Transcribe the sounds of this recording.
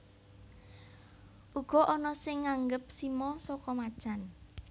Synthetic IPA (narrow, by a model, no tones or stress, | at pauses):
ʔuɡ̥ɔ̤ʔɔnɔsɪŋːaŋɡəp̚simɔsɔkɔmad̥ʒ̥a̤n